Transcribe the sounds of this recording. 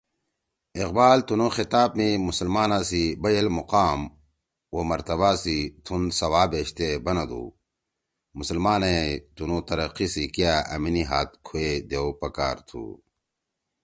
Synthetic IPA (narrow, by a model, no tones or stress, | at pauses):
iqbaːlt̪unõːxit̪aːbmimusəlmaːnãsibɐjɐlmuqaːm | womɐɾt̪ɐβasit̪ʰunsɐwaːbeːɕt̪ebɐnɐd̪ṵː | musəlmaːnet̪unot̪ɐɾɐqisikijaɐ̰miniɦaːt̪̚kʰued̪ewpɐkaːɾt̪ʰṵː